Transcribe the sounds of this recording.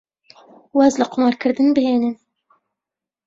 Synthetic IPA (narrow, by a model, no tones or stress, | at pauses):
wɑzlɨqʊmɑːɾkʰɨɾd̪ɨnbɨheːnɨn